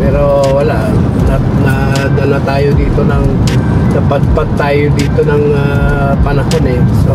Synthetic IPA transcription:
pɛːɾo̞ | wɐlaʔ | nɐ | nɐ | d̪ɐnat̪aːjod̪iːt̪o̞nɐŋ | nɐpɐd̪̚pɐd̪̚t̪ːaːjod̪iːt̪o̞nɐŋ | a | pɐnɐhonɛs

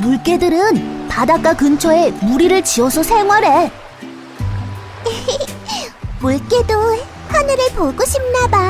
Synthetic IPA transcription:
muɭk͈e̞dɯɾɯnpadak͈akɯnt͡ɕʰʌe̞muɾiɾɯɭt͡ɕiʌsʰʌsʰe̞ŋwaɾe | e | muɭk͈e̞do | hanɯɾɯɭpoɡoɕʰip̚naba

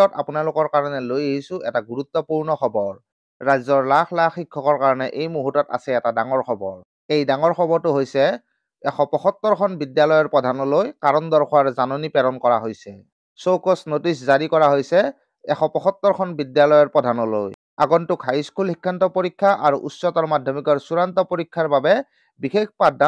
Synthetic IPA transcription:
ɔta̰punalʊkɔɹkaɹɔnɛlojeɦisʊɛtaɡuɹut̪ːɔpuɹnɔxʰɔbɔɹː | ajzɔɹlaxʰlaxikʰːɔkɔɹkaɹɔnɛʔejmuɦutɔta̰sɛɛtadaŋɔɹxʰɔbɔɹ | ejdaŋɔɹxʰɔbɔɹtʊɦojsɛ | ɛxʰɔpɔxɔt̪ːɔɹkʰɔnbidjalɔjɔɹpɹɔdʱanɔlojkaɹɔndɔɹkʰɔwaɹzanonipɛɾɔnkɔɹaɦojsɛ | sowkɔsnotiszaɹikɔɹaɦojsɛ | ɛxɔpɔxɔt̪ːɔɹkʰɔnbidjalɔjɔɹpɹɔdʱanɔlo̰j | a̰ɡɔntukʰajskulhikʰːantɔpoɹikʰːaʔaɹuʔussɔtɔɹmadʱɔmikɔɹsuɹantɔpoɹikʰːaɹbabɛ | bixekʰpada

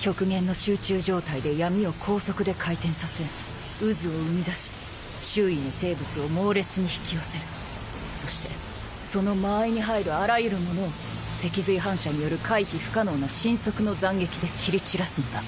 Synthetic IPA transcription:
kʲo̞kɯ̟ɡẽ̞nːo̞ɕɨːt͡ɕɨːʑo̞ːt̪aid̪e̞jamʲio̞kʰo̞ːso̞kɯ̟d̪e̞kʰait̪ẽ̞ɰ̃sase̞ɾ | ɯzɨo̞ɯ̟mʲid̪aɕi̥ | ɕɨːinose̞ːbɯ̟t͡sɨo̞mo̞ːɾe̞t͡sɨɲ̟içi̥kʲijo̞se̞ɾɯ̟ | so̞ɕi̥t̪e̞ | so̞no̞maːiɲ̟iɦaiɾɯ̟aɾajɯ̟ɾɯ̟mo̞no̞ː | se̞kʲizɨiɦãɰ̃ɕaɲ̟ijo̞ɾɯ̟kʰaiçiɸɯ̟̥kano̞ːnaɕĩɰ̃so̞kɯ̟no̞zãŋɡe̞kʲid̪e̞kʲiɾʲit͡ɕiɾasɨnod̪a

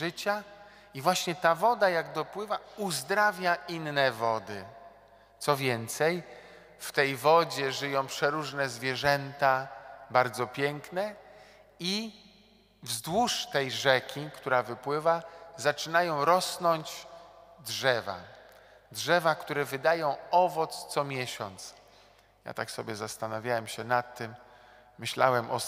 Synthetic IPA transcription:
ʐɘt͡ɕa | ivwaɕɲɛt̪avɔd̪ajaɡd̪ɔpwɘvauzd̪ɾavʲjaʔinːɛvɔd̪ɘ | t̪sɔvʲjɛnt̪sɛj | ft̪ɛjvɔd͡ʑɛʐɘjɔ̃w̃pʂɛɾuʐnɛzvʲjɛʐɛnt̪abaɾd̪zɔpʲjɛŋknɛ | i | vzd̪wuʂt̪ɛjʐɛkʲikt̪uɾavɘpwɘvazat͡ʂɘnajɔ̃w̃ɾɔsnɔɲd͡ʑ | dʐɛva̰ | dʐɛvakt̪uɾɛvɘd̪ajɔ̃w̃ɔvɔt̪st̪sɔmʲjɛɕɔ̰nt̪s | ja̰t̪aksɔbʲjɛzast̪anavʲjawɛmɕɛnat̪ːɘmː | ɘɕlawɛmʔɔ

